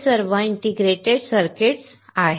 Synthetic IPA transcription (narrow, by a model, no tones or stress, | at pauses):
səɾʋəiɳʈiɡɾeʈeɽsəɾkeʈs | aɦ